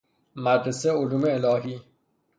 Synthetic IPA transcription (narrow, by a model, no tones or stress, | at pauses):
mad̪ɾeseoluːmeːlɒːɦiː